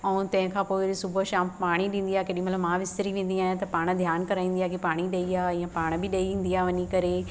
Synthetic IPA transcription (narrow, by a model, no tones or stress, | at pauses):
ɛ̃ũt̪ɐ̃ɦɪ̃kʰãːpoːɪsʊbʱəʃãːmpaːɽ̃iɗĩːn̆d̪iaːkeːɗĩmɐt̪ləbmãːʋɪst̪ɾiʋẽːn̆d̪iaːɦɪñt̪ɐpaːɽ̃̆d̪ʱjaːnkɐɾaːĩːn̆diaːkepaːɽ̃iɗɐiaːijãpaːɽ̃bɪɗɐiĩːn̆d̪iaːʋɐɲikɐɾe